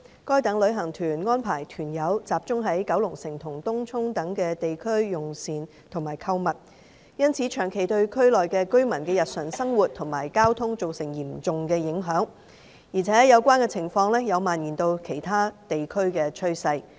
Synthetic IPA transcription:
kɔː˥jt̪ɐ˨˥ŋlɵ˨˧ɥɦɐ˨˩ŋt̪ʰyː˨˩nŋɔː˥npʰaː˨˩jt̪ʰyː˨˩njɐ˨˥wt͡saː˨p̚t͡sʊ˥ŋɦɐ˨˥jkɐ˨˥wlʊ˨˩ŋsɪ˨˩ŋt̪ʰʊ˨˩ŋt̪ʊ˥ŋt͡sʰʊ˥ŋt̪ɐ˨˥ŋkɛː˧t̪e˨jkʰɵ˥ɥjʊ˨˩ŋsiː˨n | t̪ʰʊ˨˩ŋmaː˨˩jkʰɐ˧wmɐ˨t̚ | jɐ˥nt͡sʰiː˨˥t͡ʃʰœː˨˩ŋkʰe˨˩jt̪ɵ˧ɥkʰɵ˥ɥlɔː˨jkɛː˧kɵ˥ɥmɐ˨˩nkɛː˧jɐ˨t̚sœː˨˩ŋsɐ˥ŋwuː˨t̚t̪ʰʊ˨˩ŋmaː˨˩jkaː˥wt̪ʰʊ˥ŋt͡so˨wsɪ˨˩ŋjiː˨˩mt͡sʊ˨ŋkɛː˧jɪ˨˧˥ŋɦœː˨˥ŋ | jiː˨˩t͡sʰɛː˨˥jɐ˨˧wkʷaː˥nkɛː˧t͡sʰɪ˨˩ŋfɔː˧ŋlɛː˥jɐ˨˧wmaː˨njiː˨˩nt̪o˧wkʰe˨˩jt̪ʰaː˥t̪e˨jkʰɵ˥ɥkɛː˧t͡ʃʰɵ˥ɥsɐ˧j

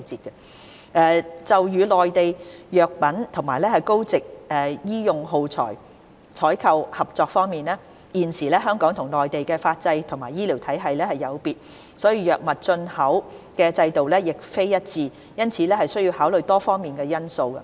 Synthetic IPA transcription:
t͡siː˨t̚kɐ˧ | ʔɛː˨˩t͡sɐ˨wjyː˨lɔː˨jt̪e˨jjœː˨k̚pɐ˨˥nt̪ʰʊ˨˩ŋmaː˨˩jlɛː˥hɐ˨jko˥wt͡sɪ˨k̚ʔɛː˨jiː˥jʊ˨˧ŋɦo˨˧wt͡sʰɔ̰ː˨˩j | t͡ʃʰɔː˨˥jkʰɐ˧whɐ˨p̚t͡sɔː˧k̚fɔː˥ŋmiː˨nɛː˥ | jiː˨nsiː˨˩lɛː˥ɦœː˥ŋkɔː˨˥ŋt̪ʰʊ˨˩ŋlɔː˨˩jt̪e˨jkɛː˧faː˧t̚t͡sɐ˧jt̪ʰʊ˨˩ŋmaː˨˩jiː˥li˨˩wt̪ʰɐ˨˥jɦɐ˨jlɛː˥hɐ˨jːɐ˨˧wpiː˨t̚ | sɔː˨˥jiː˧jœː˨k̚mɐ˨t̚t͡ʃɵ˧nhɐ˨˥wkɛː˧t͡sɐ˧jt̪o˨wlɛː˥jɪ˨k̚fe˥jjɐ˥t̚t͡siː˨˧ | jɐ˥nt͡sʰiː˨˥lɛː˥hɐ˨jsɵ˥ɥji˧whaː˨˥wlɵ˨˩jt̪ɔː˥fɔː˥ŋmiː˨nkɛː˧jɐ˥nso˧wkɐ̰˧

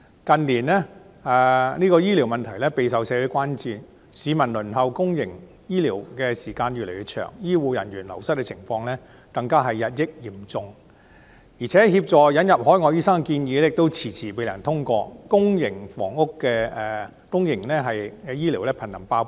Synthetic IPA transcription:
kɐ˨˧nliː˨˩nlɛː˥ | ɛː˨˧niː˥kɔː˧jiː˥li˨˩wmɐ˨nt̪ʰɐ˨˩jlɛː˥pe˨˧jsɐ˨wsɛː˨˧wʊ˨˥kʷaː˥nt͡siː˨˧ | siː˨˧mɐ˨˩nlɵ˨˩nɦɐ˨˧wkʊ˥ŋjɪ˨˩ŋ | jiː˥liː˨˩wkɛː˧siː˨˩kaː˧nɥyː˨le˨˩jyː˨˧t̚t͡ʃʰœ̰ː˨˩ŋjiː˥wuː˨˧jɐ˨˩njyː˨˩nlɐ˨˩wsɐ˥t̚kɛ˧t͡sʰɪ˨˩ŋfɔː˧ŋlɛː˥ | kɐ˧ŋkaː˥ɦɐ˨jːɐ˨t̚jɪ˥k̚jiː˨˩mt͡sʊ˧ŋ | jiː˨˩t͡sʰɛː˨˥hiː˧p̚t͡sɔː˨˩jɐ˨˥njɐ˨p̚hɔː˨˥jŋɔː˨˧jiː˥sɐ˥ŋ˧kiː˧njiː˨˧lɛ˥jɪ˨k̚t̪o˥wt͡sʰiː˨˩t͡sʰiː˨˩pe˨˧jlɐ˨˩nt̪ʰʊ˥ŋkɔː˧kʊ˥ŋjɪ˨˩ŋfɔ̰ː˨˩ŋʊ˥kːɛː˧ɛː˧ | kʊ˥ŋjɪ˨˩ŋlɛ˥ɦɐ˨jɛ˧jiː˥li˨˩wlɛː˥pʰɐ˨˩nːɐ˨˩ŋpaː˧w

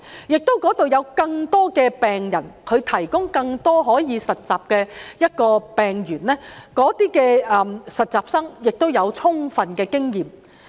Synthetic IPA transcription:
jɪ˨k̚t̪o˥wkɔː˨˥t̪o˨wjɐ˨˧wkɐ˧ŋt̪ɔː˥kɛː˧pɛː˨ŋjɐ˨˩nkʰɵ˨˧ɥt̪ʰɐ˨˩jkʊ˥ŋkɐ˧ŋt̪ɔː˥ɦɔː˨˥jiː˨˧sɐ˨t̚t͡saː˨p̚kɛː˧jɐ˥t̚kɔː˧pɛː˨ŋjyː˨˩nlɛː˥kɔː˨˥t̪iː˥kɛː˧ɛ˨˩msɐ˨t̚t͡saː˨p̚sɐ˥ŋjɪ˨k̚t̪o˥wjɐ˨˧wt͡sʰʊ˥ŋfɐ˨nkɛː˧kɪ˥ŋjiː˨˩m

